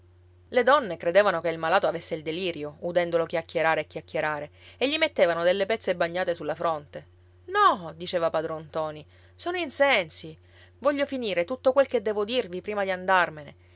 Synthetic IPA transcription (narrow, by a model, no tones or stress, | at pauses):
led̪ɔnːekɾed̪eːvanokeilmalaːt̪oavesːeild̪eliːɾjoud̪ɛnd̪olokjakʲːjeɾaːɾeːkʲːjakʰʲːeɾaːɾeeʎːimet̪ːeːvanod̪elːepɛt̪sebaɲːaːt̪esulːafɾont̪e | nɔd̪it͡ʃeːvapad̪ɾont̪ɔːni | soːnoinsɛnsi | vɔʎːofiniːɾet̪ut̪ːokwelked̪ːɛːvod̪irvipɾiːmad̪iand̪armene